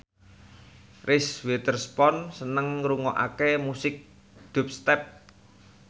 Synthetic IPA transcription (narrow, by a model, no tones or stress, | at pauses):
rʔiswet̪ərspɔnsənəŋɾuŋɔʔa̰kemusɪk̚ | d̪̥ṳp̚st̪ɛp̚